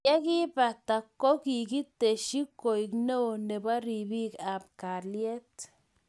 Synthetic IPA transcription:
ja˦ɡi˦ba˨t̪a˨ko˦ki˨ɡi˦t̪e˨ʃi˦ko˨i˨kno˦˨ne˨ba˦ɾi˨bi˦ka˨bka˨lje˦t̪

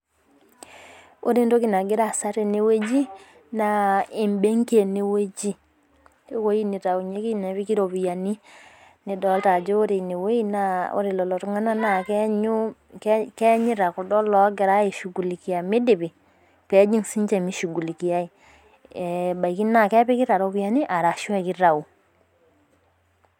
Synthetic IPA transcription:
o̰˦ɾi˦n˦to˦ki˨na˨ɡɪ˦ɾa˦˨sa˦ɾe˨ne˨we˦d͡ʒi˦ | na˨i˨mbe˦ŋke˨ne˨we˦d͡ʒi˦ | e˦ko˦ji˦ni˨ta˨u˨ɲe˦ki˦nɛ˨βi˦ki˦ɾo˨βi˨ja˨ni˦ | ni˨dɔ˦lta˨d͡ʒe˦o˦ɾi˨ne˨we˦i˦na˦o̰˦ɾi˨lɔ˨lɔ˨tu˦ŋa˦na˦na˨kɛ˦ɲu˦kkɛ˦ɲi˦ɾa˨ku˨dɔ˦lɔ˨˦ɡɛ˨ɾa˦ji˨ʃu˨ɡu˨li˨ki˨ja˨mi˦di˨bi˨ | kɛ˦d͡ʒi˦ŋsi˦ɲt͡ʃɛ˦˨mi˦ʃu˨ɡu˨li˨ki˨ja˦i˨ | ɛ˨ba˨jki˦na˨kɛ˦pi˦ki˦ɾa˨ɾo˨βi˦ja˨ni˦ʔa˨ɾa˨ʃu˦ɛ˦˨ki˦ɾa˨u˨

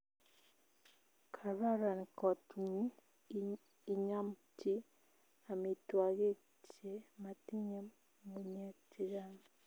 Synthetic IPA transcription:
kʰa˨ɾa˦ɾa˨nkɔ˨tɲi˦˨ | ɲa˦mti˦ | a˨mi˨twa˨ɣe˦ | t͡ʃe˦ma˨ti˦ɲe˦m | mu˨ɲe˦tʰi˨ɾa˦n

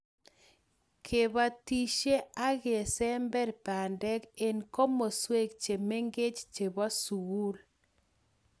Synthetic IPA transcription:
kʰe˨βa˨ti˨ʃe˦a˦ɣe˨sɛ˦mbɛ˦ɾpa˨ndɛ˦ke˨nko˦mo˨swe˦k̚t͡ʃe˨me˦ŋɡe˦t͡ʃt͡ʃe˨ba˦su˨wu˦l

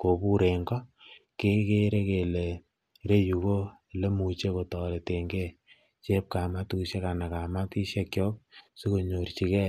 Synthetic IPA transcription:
ko˨bu˦ɾe˨ŋɡɔ˦ke˦ke˦ɾe˦ke˨le˨ | ɾe˦ju˨ko˦˨ | le˦mu˨t͡ʃe˦ko˨tɔ˨le˨te˨ŋɡe˦ | t͡ʃe˦p̚ka˨ma˦tu˦ʃe˦ka˨na˨ka˨ma˦ti˦ʃe˦kjɔ˦k̚su˦ko˨ɲo˨ɾt͡ʃi˨kɛ˦

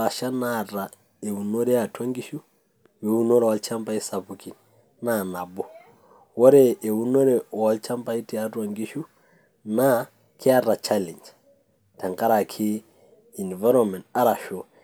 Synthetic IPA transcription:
a˨ʃa˦naɾa˨ | e˨u˨no˦ɾɛ˦a˨twa˦ŋɡi˦ʃu˦ | we˨u˦nɔ˦ɾa˨wa˨lt͡ʃa˦mba˦i˦sa˨puki˨n | na˨na˨bɔ˦ | wɔ˦ɾɛʔːu˦no˦ɾɛ˦wa˦lt͡ʃa˦mba˦i˦ti˨a˨twa˨ŋɡi˦ʃu˦ | na˦ | kʰi˦a˦ɾa˨t͡ʃa˦lɛ˨ɲd͡ʒ | ta˨ŋɡa˦ɾa˨kʰi˦ | i˨nva˦ɾɔ˨nmɛ˨nta˦ɾa˨ʃɔ˨

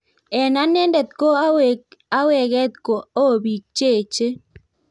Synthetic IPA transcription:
ɛ˨na˦nɛ˦ndɛ˨t̪̚ko˦a˦wa˦wɛ˨ɣɛ˦t̪̚ko˨o˦˨bi˨t͡ʃe˦˨t͡ʃe˦

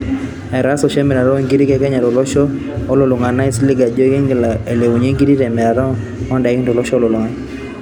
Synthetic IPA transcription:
ɛ˨ɾa˦sɔ˨ʃɛ˦mɪ˨ɾa˨ɾɔ˦˨ŋɡi˦ɾi˦kɛ˦kɛ˦ɲa˨ɾɔ˨lɔ˦ʃɔː˦ | lo˨lʊ˨ŋa˨na˦ɪ˦slɪ˦ɡa˨d͡ʒo˦ke˦ŋɡla˨e˨le˨wu˨ɲe˦ŋɡi˦ɾi˦ɾɛ˨mɛ˨ɾa˨ɾɔ˦ | mɔ˦nda˨˦kɪ˦tɔ˨lɔ˦ʃɔ˦lo˨lʊ˨ŋa˦

